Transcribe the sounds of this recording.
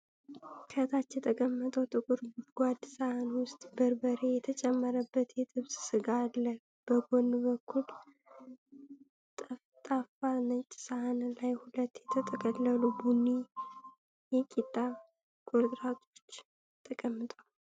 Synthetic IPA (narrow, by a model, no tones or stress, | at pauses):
kʰət̪ʰat͡ʃːjɛt̪ʼʰəkʼəmːət̪ʼəwt̪ʼɨkʼuɾɡʷwad̪sahanwʊst̪ʼbəɾbəɾejɛt̪ʰət͡ʃʼɛmːəɾəbːət̪jɛt̪ʼɨβsʼsɨɡaːlːə | b̥əɡonbəkʰːul | t̪ʼafanət͡ʃʼsahanlajhulət̪ːjɛt̪ʰət̪ʼəkʼəlːəlubunːi | jɛkʼit̪ʼːa | ɡ̥od̪ʼɾat̪ʰo̞̥t͡ʃː | t̪ʼʰəkʼəmːɨt̪ʼal